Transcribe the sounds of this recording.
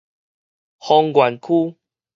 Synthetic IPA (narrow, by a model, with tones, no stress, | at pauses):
hɔ˧ŋɡwa˨˩nkʰu˦